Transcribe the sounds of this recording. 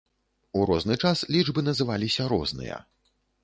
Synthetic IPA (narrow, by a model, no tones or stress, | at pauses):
uɾɔznɨt͡ʂaslʲid͡ʐbɨnɐzɨvalʲisʲɐɾɔ̰znɨ̰jɐ̰